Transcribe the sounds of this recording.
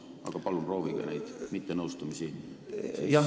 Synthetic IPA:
ɑ̰ɡ̥ɑpɑlumpro̞ːviɡ̥ɑ̰nejd̪̥mit̪ːenɤwst̪umisi | jɑ

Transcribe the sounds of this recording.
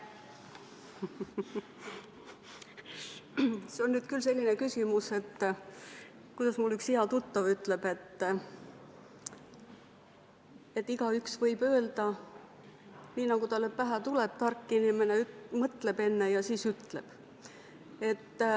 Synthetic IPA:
seo̞nːyːd̪̥kylse̞lʲːine̞kysimuse̞t̪ː | kujd̪̥ɑsmulːyksiɑt̪ut̪ːɑvyt̪ːˑle̞b̥e̞t̪ːˑ | e̞t̪ːiɡ̥ɑyksvɤjbø̞eld̪̥ɑ | niːnɑɡ̥ut̪ɑlːepæɦæt̪ulep̚t̪ɑrkːˑinimene̞ymɤt̪le̞be̞nːe̞jɑsiːsyt̪leb̥ | e̞t̪ː

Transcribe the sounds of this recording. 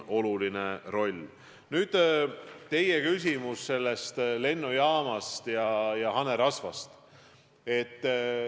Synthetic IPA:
o̞lulinero̞lʲ | nyːd̪̥t̪e̞jekys̬ʲimusse̞lːe̞st̪le̞nːujɑːmɑst̪jɑjɑɦɑneɾɑsvɑst̪ | e̞t̪ˑː

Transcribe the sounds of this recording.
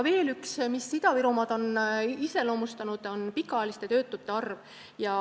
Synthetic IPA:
ve̞ːlyksmisːid̪̥ɑviɾumɑd̪̥o̞nise̞lo̞ːmust̪ɑnud̪̥o̞npikːˑɑɑjɑlist̪e̞t̪ø̞ːt̪ːˑut̪ːˑe̞ɑrv | jɑ

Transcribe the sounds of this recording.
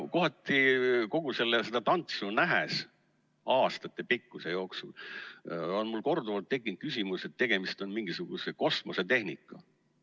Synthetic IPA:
ko̞ɦɑt̪ːˑiko̞ɡ̥use̞lːese̞d̪̥ɑt̪ɑnt̪sunæɦes | ɑːst̪ɑt̪ːˑe̞pikːuse̞jo̞ːksṵl | o̞nmulːko̞rd̪uvɑlt̪ːe̞kːˑint̪̚kysʲimuse̞t̪ːe̞ɡ̥e̞mist̪o̞nmiŋɡ̥isuɡ̥useko̞smo̞set̪e̞hnikːˑɑ

